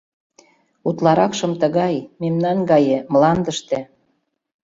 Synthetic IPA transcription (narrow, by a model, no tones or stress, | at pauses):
ut̪lɑɾɑkʃɤ̆mt̪əɣɑjmemnɑnɡɑjemlɑnd̪əʃt̪ĕ